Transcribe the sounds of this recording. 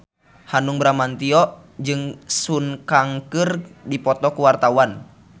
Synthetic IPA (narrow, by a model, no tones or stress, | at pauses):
hanuŋbɾamant̪iɔʔ | d͡ʒɨŋsunkaŋkɨrdipɔt̪ɔkuwart̪auwan